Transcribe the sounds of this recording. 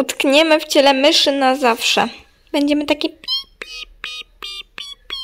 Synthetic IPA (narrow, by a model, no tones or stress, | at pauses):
ut̪kɲɛmɘft͡ɕɛlɛmɘʂɘnazafʂɛ̰ | bɛɲd͡ʑɛmɘt̪akʲi